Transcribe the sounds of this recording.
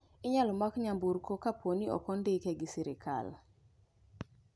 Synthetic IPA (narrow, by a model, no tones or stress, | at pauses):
ɪɲalɔmakɲambuɾkokapʰoniɔ̰kɔndɪkɛɡɪsiɾɪkʰa̰l